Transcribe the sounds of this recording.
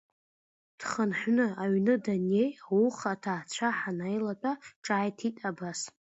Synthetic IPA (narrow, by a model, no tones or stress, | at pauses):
d̥χənħʷnɨaɥnɨdanejawuχatʰaːt͡ɕʷʰaħanajlat͡pʷʼaʈ͡ʂʼaːjtʰitʼabas